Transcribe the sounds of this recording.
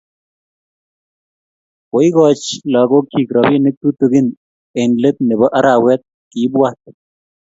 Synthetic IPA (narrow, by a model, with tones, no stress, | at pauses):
ko˨jɡɔ˨t͡ʃlɔ˨ɡo˦ki˨kɾɔ˨bi˦nɪ˦k̚t̪u˦t̪o˨ɡɪ˦n | e˨nle˦t̪̚ne˨bɔ˦ʔa˦ɾa˨wɛ˦t̪̚ | ki˨˦bwa˦t̪̚